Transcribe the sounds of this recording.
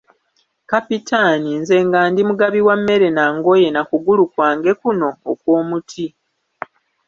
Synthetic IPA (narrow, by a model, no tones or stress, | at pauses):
kapitʰaninze̞ːŋɡaːndimuɡaβiwamːe̞ɾe̞naːŋɡo̞je̞nakuɡulukwaːŋɡe̞kuno̞ːkwo̞ːmutʰi